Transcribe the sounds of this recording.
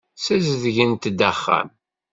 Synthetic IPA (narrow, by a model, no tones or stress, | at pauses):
sæzðʝənt̪d̪əχːæ̰m